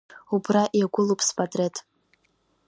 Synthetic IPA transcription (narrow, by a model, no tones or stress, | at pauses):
ubraʔiaɡʷʊlupʰʼspʰʼatʼretʰʼ